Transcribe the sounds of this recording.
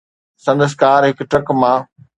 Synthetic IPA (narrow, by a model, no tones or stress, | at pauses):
sɐ̃nd̪əs̬kaːɾɦɪkʈɾɐkmãː